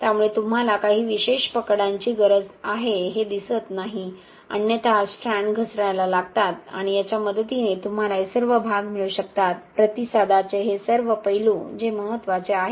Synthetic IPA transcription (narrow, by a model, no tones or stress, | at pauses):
t̪jamuɭet̪um̤alakaɦiːʋiɕeɕpəkɽãɲt͡ɕiːɡəɾəd͡zaɦeɦed̪isət̪naɦi | ə̰njət̪asɾaɳɡʱəsɾajlalaɡt̪at̪a̰ɽ̃ijat͡ɕjaməd̪ət̪inet̪um̤alaesəɾʋəbʱaɡmiɭuɕək̚t̪at̪̚pɾət̪isad̪at͡seɦesəɾʋəpəjilũd͡ʑeməɦət̪ːʋat͡seaɦe